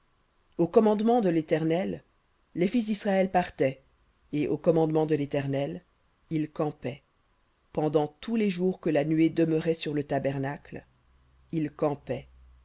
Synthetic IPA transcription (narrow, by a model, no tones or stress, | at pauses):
okɔmɑ̃d̪mɑ̃d̪əlet̪ɛʁnɛlː | efis̬d̪isχaɛlpaʁt̪ɛ | eʔokɔmɑ̃d̪mɑ̃d̪əlet̪ɛʁnɛl | ilkɑ̃pɛ | pɑ̃d̪ɑ̃t̪uleʒuʁkəlanɥed̪əmœʁɛsyʁlət̪abɛʁnakl | ilkɑ̃pɛ